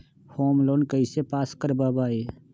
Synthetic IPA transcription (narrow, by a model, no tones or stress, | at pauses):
hoːmloːnkəisepaːskəɾbaːbaːeː